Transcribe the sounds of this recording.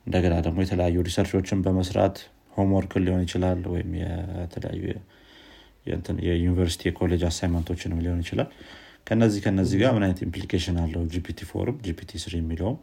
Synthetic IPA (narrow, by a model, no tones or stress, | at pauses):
ʔɨnd̪əɡənad̪əɡmo̞jɛt̪ʰələjajːuɾisəɾt͡ʃo̞t͡ʃːɪnbəməsɾa̰t̪ | homoɾkʰɨlːiho̞njɪt͡ʃɪlalwɔ̰jɪ̰mjɛ̰t̪ʰələ̰ja̰jːṵjɛ | jɛ̰nt̪ʰjɛjunivəɾsi̥t̪ʰijɛkʰole̞d͡ʒasajmant̪ʰo̞t͡ʃːɪnɨmliho̞njɪt͡ʃɪlal | kʰəɨnːəzːihkʰəɨnːəzːihɡaɾmɨnajnət̪implikʰeʃɪnalːəhud͡ʒipʰit̪ʰifo̰ɾɨmd͡ʒipʰit̪ʰisɨɾjɛmːiləwm